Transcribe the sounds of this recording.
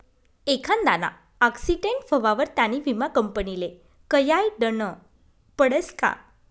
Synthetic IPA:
ekʰand̪ana̰ | aksiʈeɳʈfəʋaʋəɾt̪janiʋimakəmpənile | kəjajɖənə | pəɽəska̰

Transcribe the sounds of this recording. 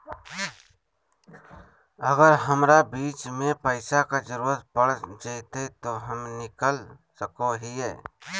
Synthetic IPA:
əɡəɾɦəmɾabiːt͡ʃmẽpəɪsakad͡ʒəɾuːɾət̪̚pəɽd͡ʒaɪt̪et̪oɦəmnɪkəl | səkoɦiɦɛː

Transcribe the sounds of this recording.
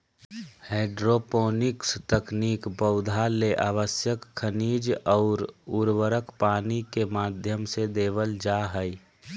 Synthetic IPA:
hɛːɖɾopoːnɪkst̪əkniːkbəʊd̪ʱaleʔaːʋəsjəkʰːəniːd͡ʒɔːɾuɾʋəɾəkpaːnikemaːd̪ʱjəmsed̪eːʋəld͡ʒaːɦəi

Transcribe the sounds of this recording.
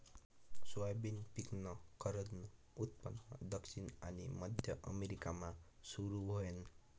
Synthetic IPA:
swabinpiknʌkʌɾʌd̪nʌ | ut̪̚pʌnːʌ̰d̪ʌksʰina̰nimʌd̪ʱjʌʔʌ̰meɾikama | suɾubʱojʌn

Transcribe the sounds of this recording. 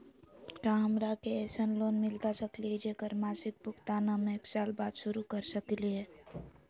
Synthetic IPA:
ʈãɦəmɾakeɛsənloːnmɪlt̪asəklied͡ʒekəɾmaːsɪk̚bʊkt̪aːnamẽeːksaːlbaːd̪ʃʊɾukəɾsəkliɦe

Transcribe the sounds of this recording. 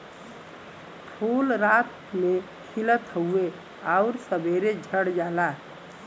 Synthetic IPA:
pʰulɾat̪̚ | me | kʰilət̪ɦəue | aʊɾsəbeɾed͡ʒʱəɽd͡ʒala

